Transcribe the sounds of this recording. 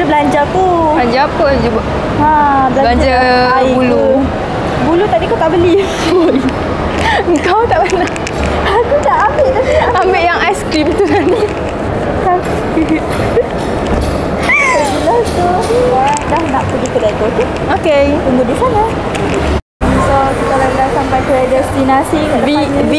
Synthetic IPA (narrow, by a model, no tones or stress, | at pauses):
əbəlaɲd͡ʒat̪uaɲd͡ʒaapəd͡ʒuba | ãbəlablaɲd͡ʒaabulu | bulut̪aʔdikat̪aʔbəli | əŋkawt̪aʔpana | akunaʔambeʔt̪aambeʔjaŋajskɾimt̪usani | taskip̚ | sabilat̪uadahnaʔpəɡik̪ədajk̪ot̪i | oket̪uŋɡudisana | sokit̪aladasampajt̪uɾɛdɛst̪inasiaabib